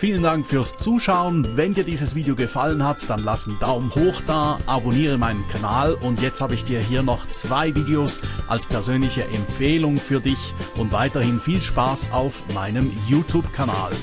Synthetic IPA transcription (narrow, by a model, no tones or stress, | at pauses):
fiːləndaŋkfyːɐst͡suːʃaʊənvɛndiːɐdiːzəsv̥iːdeoɡəfalənhatd̥anlasn̩d̥aʊmhoːxd̥aːʔaboniːʁ̞əmaɪnənkʰanaːlʊntjɛt͡sthaːbəɪçd̥iːɐɦiːɐnɔχt͡sv̥aɪviːdeosʔa̰lspʰɛɐzøːnlɪçəʔɛmpp͡feːlʊŋfyːɐdɪçʔʊntvaɪtɐhɪnfiːlʃpaːsaʊfmaɪnəmjuːtʰuːpkʰana̰ːl